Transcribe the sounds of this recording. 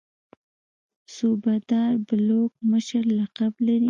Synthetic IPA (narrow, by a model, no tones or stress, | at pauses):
subad̪ɑɾbalok̚məʃəɾlaqablaɾi